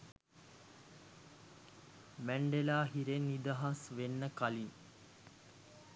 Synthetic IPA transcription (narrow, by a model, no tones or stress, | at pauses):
mæɳɖelaːɦiɾenːid̪aɦasʋenːəkaliŋ